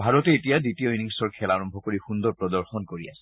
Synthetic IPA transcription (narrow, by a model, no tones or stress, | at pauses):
bʱaɹɔtɛetijaditiojniŋsɔɹkʰɛlaɹɔmbʱɔkoɹixund̪ɔɹpɹɔdɔɹxɔnkoɹia̰sɛ̥